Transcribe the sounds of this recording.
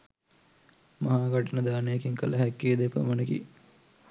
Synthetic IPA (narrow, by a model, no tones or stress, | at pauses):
mɐɦaːɡaʈənəd̪aːnejakiŋkələɦɛkːiːd̪epə̰mənəkḭ